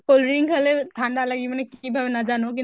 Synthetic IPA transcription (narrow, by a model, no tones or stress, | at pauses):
kolɾĩŋkɐlet̪ʰãːnd̪alɐɡimɛnekibʱɐʋnad͡ʒaːnok̬i